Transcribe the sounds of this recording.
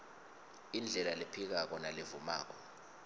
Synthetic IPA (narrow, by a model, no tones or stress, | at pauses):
ind͡ɮʱɛlalepʰik̬ak̬ɔnalevuma̰ːk̬ɔ